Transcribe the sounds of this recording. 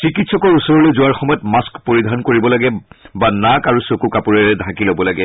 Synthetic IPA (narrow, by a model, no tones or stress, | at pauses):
sikitsɔkɔɹusɔɹɔlojzʊwaɹxɔmɔjɔtmaskpoɹidʱaɔnkoɹibɔlaɡɛbanakaɹusokukapuɹɛɹɛdʱãkilobɔlaɡɛ